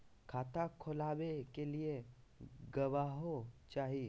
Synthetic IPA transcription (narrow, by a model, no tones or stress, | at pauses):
kʰaːt̪ʰakʰʊlaːwekelie | ɡɐʋaːɦot͡ʃaːɦi